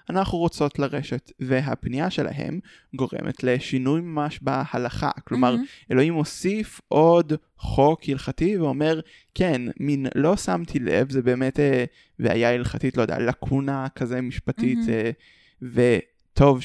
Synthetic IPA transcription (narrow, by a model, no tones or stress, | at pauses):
ʔanaχuʁot͡so̞tlaʁe̞ʃetveɦapnijaʃe̞lʔa̰ɦḛm | ɡo̞ʁḛmʔḛtle̞ʃinujmamaʃbahalaχa̰klo̞maʁe̞lo̞himosifʔo̞d | χo̞khilχativeo̞me̞ʁ | kenminlo̞samtʰilḛvzebe̞ːmete | vea̰jailχatitlojd̪eja̰lakʰunakʰazemiʃpatite | ve | tʰo̞v